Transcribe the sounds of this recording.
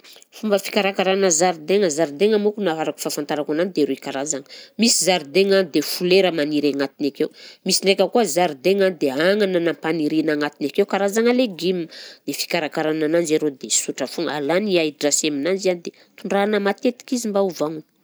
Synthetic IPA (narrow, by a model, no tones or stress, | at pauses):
fumbəfi̥kaɾakaɾanəzaɾid̪eŋəzaɾid̪eŋamukunaaɾaku̥fafant̪aɾakananid̪eɾuikaɾazaŋə̥misizaɾid̪eŋanid̪efuleɾəmaniɾaŋat̪inakewmisiɳɖ͡ʐekʲəkuəzaɾid̪eŋanid̪eaŋanənapaniɾinaŋat̪inakewkaɾazaŋəleɡimind̪efi̥kaɾakaɾananand͡ʒeɾed̪esuʈ͡ʂəfuŋa̰laniajʈ͡ʂaseminand͡ʒianid̪e | t̪uɳɖ͡ʐanəmat̪et̪i̥kizimbauvaŋə